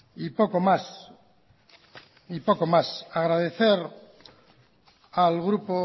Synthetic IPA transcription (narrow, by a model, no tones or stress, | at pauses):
ipokomas | ipo̞komasaɣ̞ɾaðeθeɾ | alɣɾupo